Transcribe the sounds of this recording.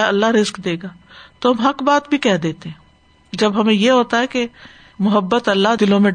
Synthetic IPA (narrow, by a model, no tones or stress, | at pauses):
ɐlːaɦɾɪzkd̪eːɡaːt̪oɦɐmɦɐkbaːt̪bʱikɛɦd̪eːt̪eɦɛ̃ː | d͡ʒɐbɦɐmẽjeɦoːt̪aɦɛke | mʊɦəbːət̪ɐlːaɦd̪ɪlõmẽ